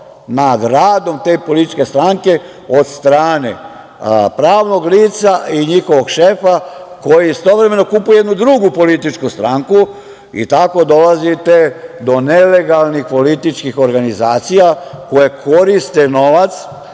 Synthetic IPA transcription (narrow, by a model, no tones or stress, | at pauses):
nad̪ɾaːd̪o̞mt̪e̞ːpo̞lit̪it͡ʃke̞st̪ɾaŋke̞ | o̞d̪st̪ɾaːnḛ | pɾaːʋno̞ɡliːt̪saiɲixo̞ʋo̞ɡʃefako̞jiist̪o̞ʋɾeme̞no̞kupujejenud̪ɾuɡupo̞lit̪it͡ʃkust̪ɾaŋku | ḭt̪ako̞d̪o̞lazit̪ed̪o̞ne̞le̞ɡalnixpo̞lit̪it͡ʃkixo̞ɾɡanizaːt̪sijako̞jekʰo̞ɾist̪eno̞ʋat̪s